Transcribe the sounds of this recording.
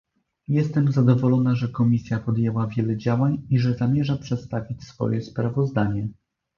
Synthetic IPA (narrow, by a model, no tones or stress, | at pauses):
jɛst̪ɛmzad̪ɔvɔlɔnaʐɛkɔmʲisʲjapɔd̪jɛwavʲjɛlɛd͡ʑawaɲiʐɛzamʲjɛʐapʂɛt̪st̪avʲit͡ɕsfɔ̰jɛspɾavɔzd̪aɲɛ